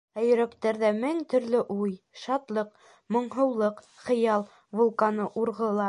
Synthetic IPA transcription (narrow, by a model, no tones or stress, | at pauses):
æjɵ̆ɾækt̪æɾðæmɘŋt̪ɵ̆ɾlɵʔuj | ʃɑt̪lˠɤq | mŏɴɦɤ̆wlˠɤq | χɤ̆jɑlˠ | vulˠkɑnɤʔuɾʁɤ̆lˠɑ